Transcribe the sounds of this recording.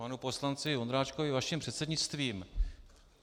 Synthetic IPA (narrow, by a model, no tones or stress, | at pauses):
anupo̞slant͡sɪond̪ɾaːt͡ʃkovɪvaʃɪmpr̥ɛt̪sɛdɲɪt͡st̪viːm